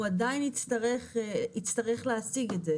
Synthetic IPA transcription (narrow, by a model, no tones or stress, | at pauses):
adaɪnit͡staʁɛχit͡staʁɛχleasiɡɛdɛ